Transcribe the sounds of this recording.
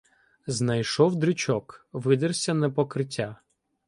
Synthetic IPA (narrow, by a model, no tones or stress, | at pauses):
znɐjʃɔwd̪ɾɪt͡ʃɔkʋɪd̪ɪrsʲɐnɛpɔkɾɪtʲːa